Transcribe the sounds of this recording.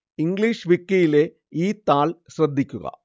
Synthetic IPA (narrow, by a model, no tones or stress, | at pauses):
iŋɡliːʂʋikːɐjile̞ | iːt̪aːɭɕrɐd̪ʱːikʲːuɣɐ̰